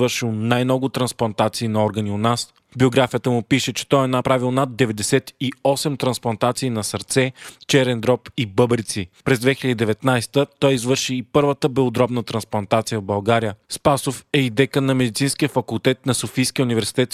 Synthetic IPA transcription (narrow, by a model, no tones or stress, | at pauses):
vɤɾʃilˠnajmnɔɡʊt̪ɾɐnsplˠɐnt̪at̪siːnɐɔɾɡənionas | bioɡɾafijət̪əmʊpiʃɛt͡ʃɛ̥t̪ɔɛnɐpɾavilˠnad̪̚dːɛvɛd̪ɛsɛt̪iɔsɛmt̪ɾɐnsplˠɐnt̪at̪siːnɐsɐɾt̪sɛt͡ʃɛɾɛnd̪ɾɔpibɤbɾit̪sipɾɛzd̪vɛxʲilʲɛəd̪id̪ɛvɛt̪najst̪ət̪ɔjizvɤɾʃiːpɤɾvət̪əbɛod̪ɾɔbnət̪ɾɐnsplˠɐnt̪at̪sijəvbɐlˠɡaɾijəspasofɛid̪ɛkənɐmɛd̪it̪sinskijəfɐkulˠt̪ɛt̪nɐsofijskʲiəunivɛɾsi̥t̪ɛt̪